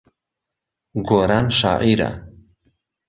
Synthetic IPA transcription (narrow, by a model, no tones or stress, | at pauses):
ɡoɾanʃa̰ːʔiɾa̰